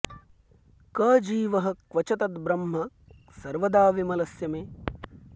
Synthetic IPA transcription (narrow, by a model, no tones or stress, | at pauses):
kɐːd͡ʒiːʋɐɦɐ̆kʋɐt͡ʃɐt̪ɐt̪bɾɐmɦɐ | sɐɾʋɐd̪aːʋimɐlɐsjɐmeː